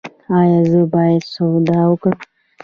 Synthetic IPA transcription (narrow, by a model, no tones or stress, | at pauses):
ɑjɑzəbɑjad̪sod̪awəkəm